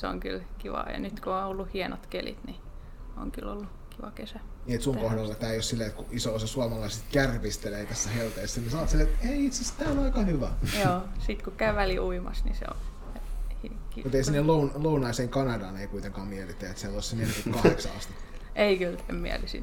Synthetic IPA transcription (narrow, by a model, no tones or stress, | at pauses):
seo̰ŋkylkiʋɑ̰jɑ̰nyt̪kuonolːuhienot̪kelḭt̪ni | o̰ŋky̰lo̰lːu | kiʋɑkesæniet̪suŋkohdɑlːɑt̪æːjossilːeet̪kuʔisoosɑsuɑmɑlɑiset̪kærʋist̪eleːt̪æsːæhelt̪eisːænːisɑnɑt̪silːeet̪eiit̪sest̪æːonɑikɑhyʋæjoːsit̪kukæyʋæliʔuimɑ̰snḭsḛo̰ | hikimut̪eˑisinːelounlounɑiseːŋkɑnɑdɑːneikuit̪eŋkɑːmielit̪ːˑeæet̪sælːoˑssinːenikukkɑheksɑ̰ɑ̰st̪itː | ʔeikylemmiæ̰lisḭn